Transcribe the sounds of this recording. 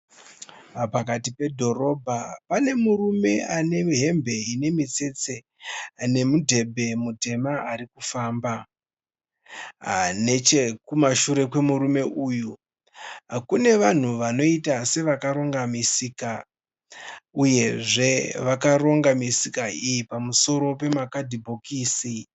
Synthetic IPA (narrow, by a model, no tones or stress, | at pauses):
pakatipe̞dʱo̞ro̞bʱapane̞murume̞ane̞ɦe̞mbʱe̞ine̞mit͡se̞t͡se | ne̞mudʱe̞bʱe̞mute̞maʔarikufaːmba | anet͡ʃekumaʃuɾe̞kwe̞muɾume̞ʔuːju | akune̞ʋan̤uʋano̞itase̞ʋakaɾo̞ŋɡamisika | uje̞ʐe̞ʋakaro̞ŋɡamisikaijipamuso̞ɾo̞pe̞makadʱibʱo̞kiːsi